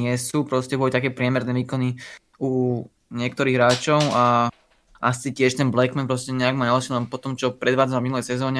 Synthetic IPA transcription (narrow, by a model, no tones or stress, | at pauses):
ɪɛsupɾɔscɛbɔlit̪akɛːpɾɪɛmɛɾnɛːʋiːkɔni | u | ɲɪɛkt̪ɔɾiːɣɦɾaːt͡ʃɔʊa | ʔasicɪɛʃt̪ɛnblɛkmɛnpɾɔscɛɲɛaɡmaːɲalʃilɛnpɔt̪ɔmt͡ʃɔpɾɛd̪ʋaːd͡zanavminulɛjsɛzɔːɲɛ